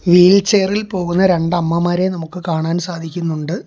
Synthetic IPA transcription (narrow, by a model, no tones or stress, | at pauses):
ʋiːlt͡ɕe̞ːrilpo̞ːɣunːɐɾe̞ɳɖɐmːɐmaːɾe̞nɐmukːɨkaːɳaːnsaːd̪ʱikʲːunːuɳɖɨ